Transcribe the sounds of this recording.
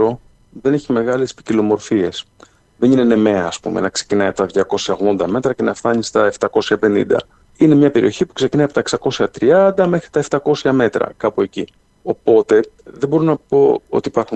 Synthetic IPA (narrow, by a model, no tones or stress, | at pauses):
o̞ | ðe̞ne̞çime̞ɣɐle̞spi̥cilo̞mo̞ɾfie̞s | ðe̞nine̞ne̞me̞ɐːspume̞̰nɐkse̞cinɐjɐpot̪ɐðʝɐko̞sçɐoɣðo̞nd̪ɐme̞t̪ɾɐce̞nɐfθɐnist̪ɐe̞ft̪ɐko̞sçɐpe̞nḭnd̪ɐ̰ | ine̞mɲɐpe̞ɾio̞çipu̥kse̞cinɐjɐpot̪ɐeksɐko̞sçɐt̪ɾiɐnd̪ɐme̞xɾit̪ɐe̞ft̪ɐko̞sçɐme̞t̪ɾɐ̰kɐpoe̞ci | o̞po̞t̪e̞ðebo̞ɾonɐpo̞o̞̰t̪iːpɐɾxu